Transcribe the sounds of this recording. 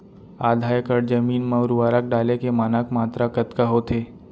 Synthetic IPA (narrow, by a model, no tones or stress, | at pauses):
aːd̪ʱaːjkəɽd͡ʒəmiːnmɐɾuʋaːɾak̚ɖaːlekemaːnaːkmaːt̪ɾakət̪kaɦot̪ʰeː